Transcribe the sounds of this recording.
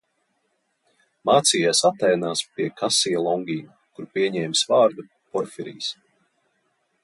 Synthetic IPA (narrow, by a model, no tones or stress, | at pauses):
maːt̪siːjaːsat̪ːɛjnaːspiɛkʰasilˠɔŋɡʲiːm | kuɾpiɛɲɛːmsvaːɾd̪u | pɔɾfiɾḭːs